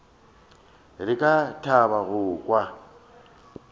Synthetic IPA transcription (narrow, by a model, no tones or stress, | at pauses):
rɪkʼatʰaβaɣʊkʼwa